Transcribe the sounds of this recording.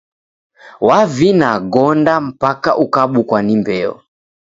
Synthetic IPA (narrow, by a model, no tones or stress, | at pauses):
wavinaɡɔndam̩pakaʔukaɓukwanimbɛɔ̰